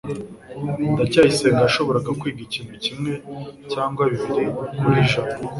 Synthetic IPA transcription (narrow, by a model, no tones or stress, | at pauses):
ndacaːjise̞ːŋɡaːʃo̞βo̞ɾaɡakwiːɡiciːnucimŋe̞caːŋɡwaβiβiɾikuɾiʒa